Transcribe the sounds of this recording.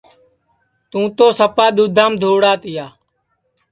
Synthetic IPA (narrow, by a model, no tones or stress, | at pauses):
t̪ũːt̪oːsəpaːd̪uːd̪ʱaːmd̪ʱoːɽaːt̪ɪjaː